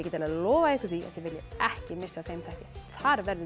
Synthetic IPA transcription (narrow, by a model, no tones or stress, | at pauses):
cɛːt̪alɛːðlɔːvaɪhkɪ̥ia̰θjɛvɪljɪɛhcɪmɪsːaθejmθɛhcɪθaɾvɛɾðʏ